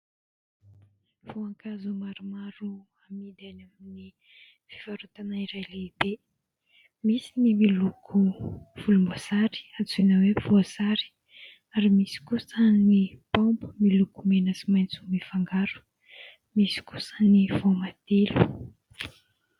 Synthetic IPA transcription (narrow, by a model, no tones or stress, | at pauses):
voaŋkazumaɾumaɾu | amid̪anamni | fi̥vaɾut̪anaiɾajleibe | misinimilukʰuv̥ulumbozaɾi̥at͡sinəwefoazaɾi̥ | aɾimisi̥kusənnipombu̥milukumenəsimajnt͡sumifaŋɡaɾu̥ | misi̥ku̥səniv̥omad̪̥elu